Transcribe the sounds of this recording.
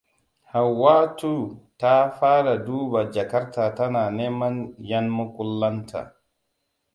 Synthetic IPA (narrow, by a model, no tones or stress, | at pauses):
hawːaːtutaːfaːdaduːbad͡ʒakaɾtatananɛmanjanmɔkulːantʰa̰